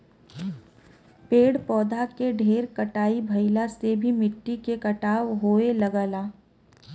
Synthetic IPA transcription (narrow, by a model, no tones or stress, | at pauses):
peːɽpɔːd̪ʱakeɖʱeːɾkɐʈaːibʱɐɪlasebʱimɪʈːikekɐʈaːʋɦoːelɐɡəːlaː